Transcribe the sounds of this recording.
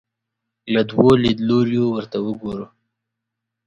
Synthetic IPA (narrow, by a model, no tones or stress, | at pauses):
lad̪wolid̪loɾjowəɾt̪awəɡoɾu